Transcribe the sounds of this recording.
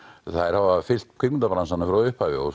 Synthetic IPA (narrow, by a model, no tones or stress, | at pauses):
θaðɛɾhavafɪl̥t̪̚kʰʏkmnt̪apɾansanːafɾaʏhpavɪɔ